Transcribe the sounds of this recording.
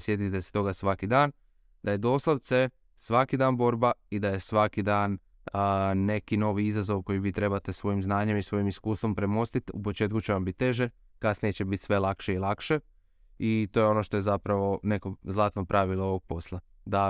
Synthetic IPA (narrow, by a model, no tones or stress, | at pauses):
sjed̪nit̪ese̥t̪o̞ɡasʋakid̪aːn | d̪̥aje̞d̪o̞ːslˠoʋt̪se | sʋakid̪aːnbo̞ɾbaid̪aje̞sʋakid̪aːn | ne̞kino̞ʋiizazo̞ʋko̞jiʋiːt̪ɾe̞bat̪e̞sʋo̞jimznaːɲemisʋo̞jimiskuːst̪ʋo̞mpɾe̞mo̞st̪it̪ṵpo̞t͡ʃe̞ːt̪̚kut͡ɕeʋambit̪ːe̞ʒe | kasnijet͡ɕebit̪sʋe̞lakʃeilˠakʃe̞ | it̪o̞ːjeo̞no̞ʃt̪o̞jezapɾaʋo̞ne̞ko̞zlˠaːt̪nopɾʔaʋilˠooʋo̞ɡ̚po̞slˠa | d̪a